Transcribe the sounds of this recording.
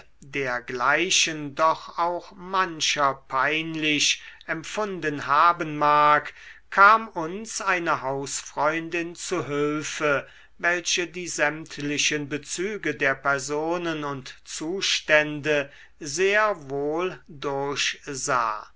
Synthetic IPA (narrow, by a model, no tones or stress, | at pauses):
deːɐɡlaɪʃəndɔχaʊxmanʃɐpʰaɪnlɪʃɛmfʊndənhaːbənmaːkkʰːaːmʊnsʔaɪnəɦaʊsfʁ̥ɔʏndɪnt͡suɦʏlfə | vɛlʃədiːzɛmtʰlɪʃənbət͡syːɡədeːɐpɛɐzoːnənʊntt͡suːʃtɛndə | zeːɐvoːldʊɐɕza̰ː